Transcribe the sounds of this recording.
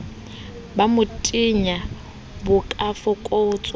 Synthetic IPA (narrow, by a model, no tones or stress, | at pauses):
bamʊtʼiɲa | bʊkʼafɔkʼoʊt͡sʼ